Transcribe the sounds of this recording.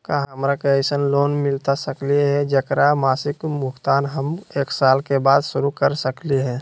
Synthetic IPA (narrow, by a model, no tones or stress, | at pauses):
kaɦɦəmɾakeəɪsənloːnmɪlt̪asəkliɦɛd͡ʒəkɾamaːsɪkmʊkt̪aːnɦəmeːksaːlkebaːd̪sʊɾukəɾsəkliɦɛ̃ː